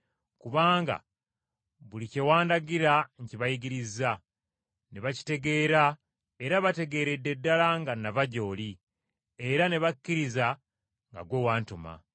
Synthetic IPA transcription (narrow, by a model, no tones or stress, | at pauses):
kuβaːŋɡa̰ | βulice̞waːndaɡiɾaɲciβajiɡiɾiza | neβaci̥te̞ɡe̞ːɾa | e̞ɾaβate̞ɡe̞ːɾe̞dːe̞dːalaŋɡanːavaɟo̞ːli | e̞ɾane̞βakːiɾiza | ŋɡa̰ɡwe̞waːntoma̰